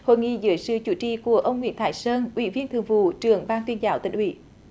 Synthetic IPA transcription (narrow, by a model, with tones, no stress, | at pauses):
ho̰˧˨jŋḭ˧˨zɨ˨˦jsɨ̰˧˨t͡ɕu˧˨˦t͡ɕḭ˧˨ku˧˩əʔə˧wŋ͡mŋwḭ˧˥ənt̪ʰa̰ː˧˦jsəː˧nʔwḭ˧˩˦vi˧ənt̪ʰɨ˨əŋvṵ˧˩˨t͡ɕɨ˨˩əŋɓaː˧nt̪wi˧ənzaː˨˦wt̪ḭ˧˨˩ŋ̟hwḭ˧˩˦